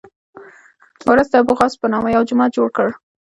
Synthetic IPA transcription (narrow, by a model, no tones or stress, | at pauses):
wɾʊzd̪əbʊɣɑspənɑmajawd͡ʒʊmɑt̪̚d͡ʒoɽkəɽ